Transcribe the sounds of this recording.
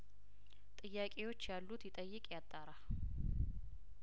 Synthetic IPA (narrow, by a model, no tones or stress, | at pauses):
t̪ʼɨjːakʼewo̞t͡ʃːjalːut̪jɪt̪ʼəjːɨkʼjat̪ʼːaɾa